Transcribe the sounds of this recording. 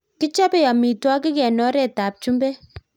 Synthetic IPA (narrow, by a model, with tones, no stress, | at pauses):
kɪ˦t͡ʃa˦pɛ˦ja˨mi˨twa˦kɪ˦kɛ˨nɔ˦ɾɛ˨ta˨p̚t͡ʃu˦mbɛ˦